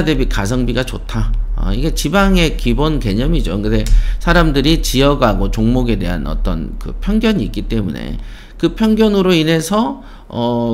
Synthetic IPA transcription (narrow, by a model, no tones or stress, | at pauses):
debikas̬ʰʌŋbiɡat͡ɕotʰaʌ̰iɡe̞t͡ɕibaŋe̞kibonke̞ɲʌmid͡ʑokɯnde̞sʰaɾamdɯɾit͡ɕijʌɡɦaɡot͡ɕoŋmoɡe̞de̞̰ɦa̰nʌ̰t͈ʌ̰nkɯ̰pʰjʌŋɡjʌɲiːk͈it͈e̞mune̞̰ | kɯpʰjʌŋɡjʌnɯɾoine̞sʰʌ | ʌ